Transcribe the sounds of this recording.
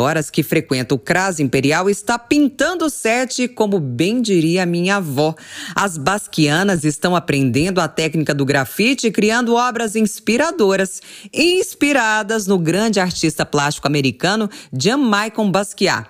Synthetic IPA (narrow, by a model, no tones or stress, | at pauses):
ɔɾɐskɪfɾekwẽnt̪ɐʊkɾazĩpeɾiawɪst̪apĩnt̪ɐ̃nd̪ʊsɛɾt͡ʃɪkõmʊbẽj̃d͡ʒiɾiɐmĩɲavɔɐzbaskiɐ̃nɐzɪst̪ɐ̃w̃apɾẽnd̪ẽnd̪ʊɐt̪ɛknikɐd̪ʊɡɾafit͡ʃɪkɾiɐ̃nd̪ʊɔbɾɐzĩspiɾad̪oɾɐsĩspiɾad̪ɐznʊɡɾɐ̃d͡ʒɪaɾt͡ʃist̪ɐplast͡ʃi̥kʊameɾikɐ̃nʊd͡ʒiɐ̃majkõw̃baskia̰